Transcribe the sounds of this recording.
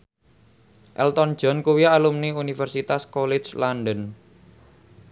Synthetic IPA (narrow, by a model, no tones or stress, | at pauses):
ʔɛ̰lt̪ɔnd̥d͡ʒ̥ɔ̤nkuwialumniunifɛrsit̪askɔlɛd͡ʒlanɖən